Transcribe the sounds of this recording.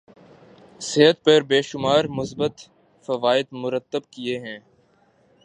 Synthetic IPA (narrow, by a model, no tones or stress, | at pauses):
seɦət̪̚pɐɾbeːʃʊmaːɾmʊsbət̪ | fɐʋaːɪd̪mʊɾət̪ːəbkieɦɛ̃ː